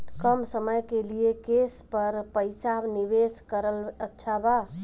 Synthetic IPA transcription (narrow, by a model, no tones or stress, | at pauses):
kəmsəməjkelijekespəɾpəjsanibeskəɾələtːʃʰaba